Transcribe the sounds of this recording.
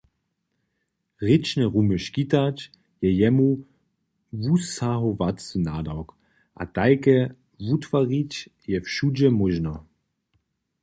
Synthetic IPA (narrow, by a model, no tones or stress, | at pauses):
ʁɪt͡ʃnɛʁuməʃkitat | jɛjɛmu | vusaɦɔvatt͡snadawk | ʔa̰t̪aɪkɛ | vutv̥aʁitjɛfʃudɛmɔʒnɔ